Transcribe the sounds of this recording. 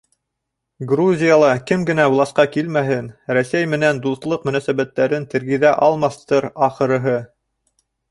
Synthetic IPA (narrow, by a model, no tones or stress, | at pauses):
ɡruzʲijalˠɑkɘmɡɘ̆næwlˠɑsqɑkilmæɦɘnɾæsæjmɘ̆nænd̪uθlˠɤqmɵ̆næsæβæt̪ːæɾɘnt̪ɘ̆ɾɡĭðæʔɑlˠmɑθt̪ɤɾɑχɤ̆ɾɤ̆ɦɤ